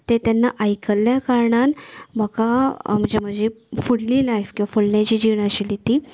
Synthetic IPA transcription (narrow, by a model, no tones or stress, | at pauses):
t̪et̪janːaʔajkəljakaɾɳanm̤əɡam̤ə̃ɳd͡ʑem̤əd͡ʑefuɽlilajfkĩʋafuɭnjat͡ɕiːd͡ʑiʋɳaɕilit̪i